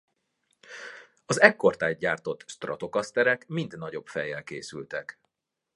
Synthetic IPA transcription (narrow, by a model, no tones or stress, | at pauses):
ɒzɛkːo̞rt̪aːɟ̚ɟaːrt̪o̞t̪ːʃt̪rɒ̰t̪o̞kɒst̪ɛɾɛkmind̪nɒɟo̞bfɛjːɛlkḛːsylt̪ɛk